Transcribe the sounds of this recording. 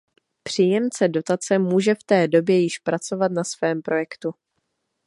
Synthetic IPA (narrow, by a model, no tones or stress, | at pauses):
pr̝̥iːjɛmt͡sɛdo̞t̪at͡sɛmuːʒɛft̪ɛːdo̞bjɛjɪʃpɾat͡so̞vat̪nasvɛːmpɾo̞jɛkt̪u